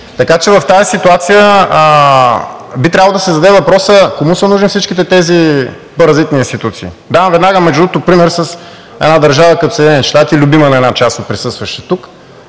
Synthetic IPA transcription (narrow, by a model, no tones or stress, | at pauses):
t̪ɐkat͡ʃɛvɐft̪aisit̪uat̪sijə | bit̪ɾʲabəlˠod̪sɛzɐd̪ɛvɐpɾɔsəkomusənuʒnfsit͡ʃkit̪ɛt̪ɛzi | poɾɐzit̪niːnst̪it̪ut̪sḭː | d̪aɐ̃mvɛd̪naɡəmɛʒd̪ɾut̪ʊpɾimɛɾsəs | ɛ̰d̪nad̪ɐɾʒavəkɐt̪osɛd̪ʲnɛnʲiʃt̪at̪ilʲʊbimənɐɛnat͡ʃast̪ot̪̚pɾisɤst̪vɐʃɛ̥t̪uk